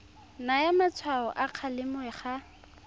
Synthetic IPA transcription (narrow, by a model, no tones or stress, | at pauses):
najamat͡sʰwaɔ̰ʔaq͡χʰalɪmʊɛχa